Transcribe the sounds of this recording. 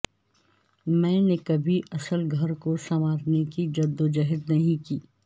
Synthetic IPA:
mɛ̃ːnekɐbʱiʔɐsəlɡʱɐɾkosɐmaːɾnekid͡ʒɐd̪ːod͡ʒɐɦəd̪nɐɦĩkiː

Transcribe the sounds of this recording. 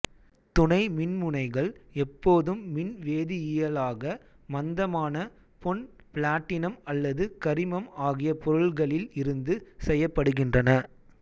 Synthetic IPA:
t̪ʊɳɐɪmɪnmʊɳɐɪɣɐɭɛpːoːðɯmːɪnʋeːðɪɪjɐlaːɣɐ | mɐnd̪ɐmaːnɐ | pɔn | pɪɭaːʈːɪnɐmɐlːɐðɯkɐɾɪmɐmaːɣɪjɐpɔɾɯɭɣɐɭɪlɪɾɯnd̪ɯsɛjːɐpːɐɽɯɣɪndrɐnɐ

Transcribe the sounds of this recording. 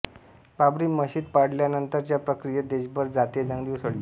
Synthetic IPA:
babɾiːməɕiːt̪̚paɽljanənt̪əɾt͡ɕjapɾəkɾijed̪eɕbəɾd͡zat̪ed͡zãŋɡliwsəɽi

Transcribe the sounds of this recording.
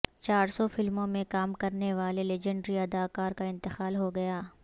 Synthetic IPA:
t͡ʃaːɾsɔfɪlmõmẽkaːmkɐɾneʋaːleled͡ʒə̃ɳɖɾiɐd̪aːkaːɾkaɪ̃nt̪ɪxaːlɦoɡɐjaː

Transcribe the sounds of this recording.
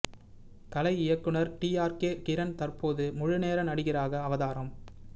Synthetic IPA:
kɐlɐɪɪjɐkːɯɳɐɾʈiːaːɾkeːkɪɾɐnt̪ɐrpoːðɯmʊɻɯneːɾɐnɐɽɯɣɪraːɣɐːʋɐðaːɾɐm

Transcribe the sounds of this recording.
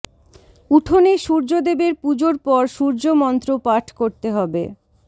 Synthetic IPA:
uʈʰoneʃuɾd͡ʑod̪ebeɾpud͡ʑoɾpɔɾʃuɾd͡ʑomɔnt̪ɾopaʈʰkoɾt̪eɦɔbe

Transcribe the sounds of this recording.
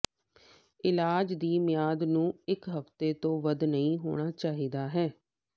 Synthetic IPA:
ɪlaːd͡ʒd̪iːmɪjaːd̪nũːɪkɦəft̪eːt̪õːʋəd̪nəĩːɦo̰ːɽ̃aːt͡ʃaːɦiːd̪aːɦɛː

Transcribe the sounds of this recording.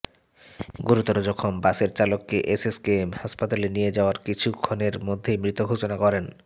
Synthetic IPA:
ɡoɾut̪oɾod͡ʑɔkʰombaʃeɾt͡ɕalokːeʔeseskeemhaʃpat̪alenijed͡ʑaoaɾkit͡ɕʰukʰːoneɾmod̪ʱːemɾit̪oɡʱot͡ɕonakɔɾen

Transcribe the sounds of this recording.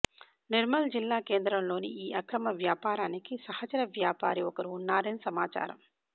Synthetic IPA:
niɾmɐld͡ʒilːaːke̞ːnd̪ɾɐmlo̞ːnḭiːʔɐkɾɐmɐʋjaːpaːɾaːnikisɐhɐt͡ʃɐɾɐʋjaːpaːɾiɔkɐɾiːnːaːɾeːnsɐmaːt͡ʃa̰ːɾɐ̰m

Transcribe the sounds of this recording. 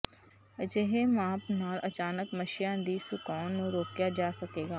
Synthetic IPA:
d͡ʒeɦemãːpnaːlʔɐt͡ʃaːnəkmɐʃɪjãd̪isʊkɔːnːõɾoːkjad͡ʒaːsɐkeːɡaː

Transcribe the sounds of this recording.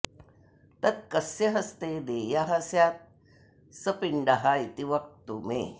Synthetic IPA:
t̪ət̪̚kəseɦəst̪ed̪ejaɦəsjat̪̚ | səpiɳɖaɦajt̪iʋək̚t̪umḛ

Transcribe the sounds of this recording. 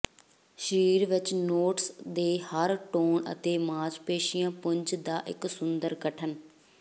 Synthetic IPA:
ʃəɾiːɾʋɪt͡ʃnoːʈsd̪eːhəɾʈoːɳə̰t̪eːmãːd͡ʒpeːʃɪjãːpʊɲt͡ʃd̪aːʔɪ̰ksʊnd̪əɾkəʈʰən

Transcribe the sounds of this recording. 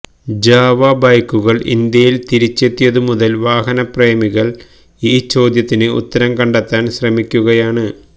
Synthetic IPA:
d͡ʑaːʋɐbɐjkːuɣɐɭḭnd̪jɐjilt̪iɾit͡ɕːe̞t̪ːijɐðɨmuðɐlʋaːɦɐnɐpreːmiɣɐɭ | iːt͡ɕo̞ːd̪jɐt̪ːinɨṵt̪ːɐɾɐmkɐɳɖɐt̪ːaːnɕrɐmikʲːuɣɐjaːɳɨ

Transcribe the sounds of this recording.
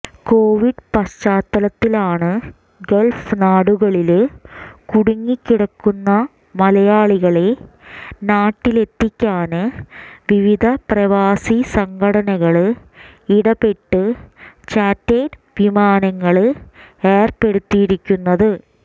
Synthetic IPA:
koːʋiɖpɐɕt͡ɕaːt̪ːɐlɐt̪ːilaːɳɨ | ɡelfnaːɽuɣɐɭil | kuɽuŋːikʲːiɽɐkːunːɐ | mɐlɐjaːɭiɣɐɭe | naːʈːile̞t̪ːikʲːaːnɨʋiʋid̪ʱɐprɐʋaːsisɐŋkʰɐɽɐnɐɣɐɭɨ | iɽɐpe̞ʈːɨt͡ɕaːtːedʋimaːnɐŋːɐɭɨeːrpe̞ɽut̪ːijiɾikʲːunːɐðɨ

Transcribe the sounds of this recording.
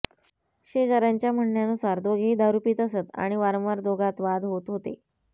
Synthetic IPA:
ɕed͡zəɾjaɲt͡ɕjam̤əɳːjanusaɾd̪oɡʱiːd̪aɾupiːt̪əsət̪a̰ɽ̃iʋaɾə̃mʋaɾd̪oɡʱat̪ʋad̪ɦot̪ɦot̪ḛ

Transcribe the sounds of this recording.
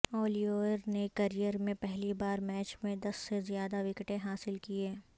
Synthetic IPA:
ɔːlioːɾnekɐɾijəɾmẽpɛɦlibaːɾmɛːt͡ʃmẽd̪ɐsːezijaːd̪aʋɪkʈẽɦaːsɪlkieː

